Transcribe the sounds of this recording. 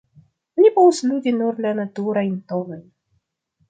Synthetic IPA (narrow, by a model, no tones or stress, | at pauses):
nʲipɔvuslʲudʲinuɾlanat̪uɾajnt̪ovaj